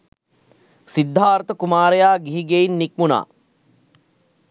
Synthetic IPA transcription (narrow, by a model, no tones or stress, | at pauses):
sid̪ʱːaːɾt̪əkumaːɾejaːɡiɦiɡeinːik̚muna̰ː